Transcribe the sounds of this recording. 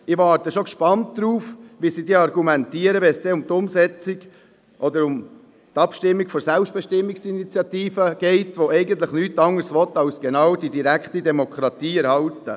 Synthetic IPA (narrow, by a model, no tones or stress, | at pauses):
ɪʋɑːɾtəʃokʃpɑntd̥ɾuːfʋisidiːɑrɡumɛnt̪iːəɾəʋɛsd̥eːʊmt̪ʊmsɛt͡siɡ | ʔɔd̪əɾʊm | t̪ɑpʃtɪmːikfɔɾsælpʃtb̥ɛʃtɪmːiksinit͡sjɑt̪iːfəɡ̥ɛɪtʋoɛɪɡənt̪ləχnyːtɑŋːəɾsʋɔt̪ɑlsɡ̥enɑːwd̥idiɾækχtidɛmokʰɾɑt̪iːɛɾhɑltə̰